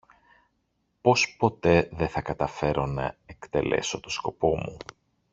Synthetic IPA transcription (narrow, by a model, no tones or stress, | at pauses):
po̞spo̞t̪e̞ðe̞θɐkɐt̪ɐfe̞ɾo̞nɐekt̪e̞̰le̞̰so̞t̪osko̞po̞mu